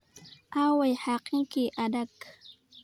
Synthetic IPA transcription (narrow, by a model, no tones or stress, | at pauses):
ʔawajħaqiŋkiʔadak